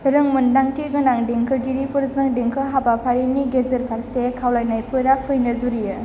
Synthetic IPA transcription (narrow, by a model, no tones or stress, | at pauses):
ɾɯŋmɯndaŋtiɡɯnaŋdeŋkʰɯɡiɾipɯɾzɯŋdeŋkʰɯɦabapʰaɾiniɡezɯɾpʰaɾsekʰawlajnajpʰɯɾapʰɯjnɯzuɾijɯ